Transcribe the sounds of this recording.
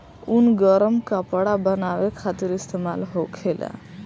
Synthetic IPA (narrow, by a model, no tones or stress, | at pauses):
unɡəɾəmkapəɽabənawekʰat̪iɾist̪emalɦokʰela̰